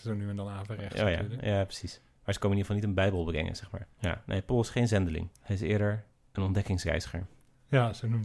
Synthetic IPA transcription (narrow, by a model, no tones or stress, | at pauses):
sownyənəlaːvərɛo̰ja̰jaːprəsis | maːɹzə̥konməniːəfɑlˠnitənbɛjbəl̩ˠbəɡɛ̰ŋə̰nz̥ɛχma̰ːɹja̰nʔḛjpɔlˠsχejnzɛndəlɪ̰ŋhɛjɪsɪːəɹdəɹ | ənɔndɛkɪŋsrɛ̰jzəχə̰ɹ | jasonum